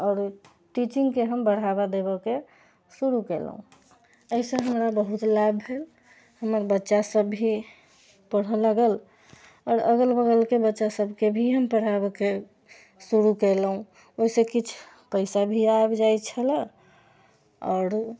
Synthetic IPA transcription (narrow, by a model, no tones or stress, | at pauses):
ɔːɾ | ʈit͡ʃiŋɡkeɦəmbəɽ̤abad̪eβəke | suɾukel̰ɦṵ̃ | əisə̃ɦəmɾabəɦut̪labʱɦel | həməɾbətːʃasəbːʱi | pəɽ̤ələɡəl | ɔːɾəɡəlbəɡəlkebətːʃasəbʱkebʱiɦəmpəɽ̤abəke | suɾukelɦũ | oisẽkit͡ʃʰ | pəɪsabʱiabd͡ʒajt͡ʃʰələ | ɔːɾ